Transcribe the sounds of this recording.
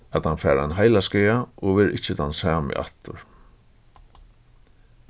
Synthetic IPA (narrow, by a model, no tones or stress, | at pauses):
at̪hanfɛːɾanɦajlaskɛjaɔɣʋɛːɾʔɪht͡ʃɪt̪ʰansaːmɪ̰ʔa̰ht̪ʊɾ̥